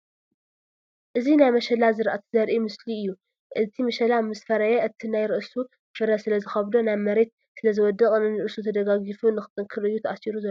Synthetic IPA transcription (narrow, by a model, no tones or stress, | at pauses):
ʔɨzinajmɐʃɐlazɨɾʔat̪ʰzɐɾʔimɨsliɨjːu | ʔɨt̪ʰimɐʃɐlamɨsfɐɾajaʔɨt̪ʰinajɾɨʔsu | fɨɾɐsɨlɐzɨxɐβd̪onaβmɐɾe̞t̪̚ | sɨlɐzɨwɔd̪ɐkʼnɨnɨɾʔɨsut̪ʰɐd̪ɐɡaɡifunɨxɨ̥t̪ʼɨŋkʰɨɾɨjːut̪ʰɐʔasiɾuzɐlːo